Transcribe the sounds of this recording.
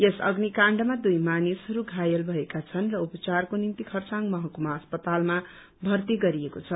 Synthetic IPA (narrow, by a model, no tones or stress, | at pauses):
jesʌ̰ɡnikaɳɖʌmad̪ujmanisɦʌɾuɡʱajʌlbʱʌekat͡sʰʌnrʌupʌt͡sarkonint̪ikʰʌrt͡saŋmʌɦʌkumaʌspʌt̪alma | bʱʌrt̪iɡʌɾiekot͡sʰʌ